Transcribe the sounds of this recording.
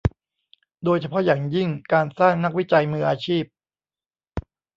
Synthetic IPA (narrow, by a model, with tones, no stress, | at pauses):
doː˧jt͡ɕʰa˧pʰɔ˦˥jaː˨˩ŋji˥˩ŋkaː˧nsaː˥˩ŋna˦˥k̚wi˦˥t͡ɕa˧jmɯː˧ʔaː˧t͡ɕʰiː˥˩p̚